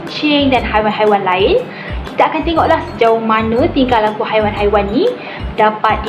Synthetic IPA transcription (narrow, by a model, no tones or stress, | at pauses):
t͡ʃɪŋdanhajwanɦajwanlaɪn | kit̪aakant̪eŋɔʔlahsəd͡ʒauhmãnə̃t̪iŋkalːakuhajwanɦajwanːĩ | dapat̪̚